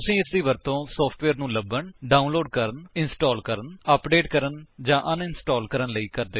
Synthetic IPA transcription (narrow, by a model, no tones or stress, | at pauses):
t̪ʊsĩːɪsd̪iːʋəɾt̪õːsɔːpʰʈʋeːɾnũːləbːəɳɖaːũnloːɖkəɾənɪnsʈɔːlkəɾənəpɖeːʈkəɾənd͡ʒãːʔənɪnsʈɔːlkəɾənləiːkəɾd̪eː